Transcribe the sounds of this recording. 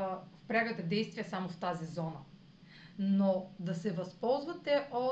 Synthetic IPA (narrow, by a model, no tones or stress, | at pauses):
fpɾʲaɡt̪ɛd̪ɛjst̪vijɐsamoft̪azizɔnə | nod̪ɐsɛvɐspɔlˠzvɐt̪ɛʔo